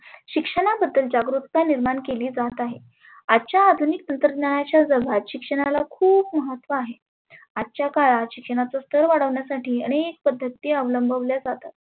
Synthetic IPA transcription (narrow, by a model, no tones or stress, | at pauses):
ɕikʂəɽ̃abəd̪ːəld͡ʑaɡɾut̪̚kaniɾmaɳkeliːd͡zat̪aɦḛ | ad̪t͡ɕjaːd̪ʱunik̚t̪ənt̪ɾəd̪ɲaɽat͡ɕjad͡zəʋʱat̪ɕikʂəɽ̃alakʰuːbməɦət̪ːʋəaɦe | ad̪t͡ɕjakaɭaɕikʂəɽ̃at͡sast̪əɾʋaɽəʋɳjasaʈiːəɽ̃ek̚pəd̪ʱːət̪ːiəʋləmbʱəʋljad͡zat̪at̪̚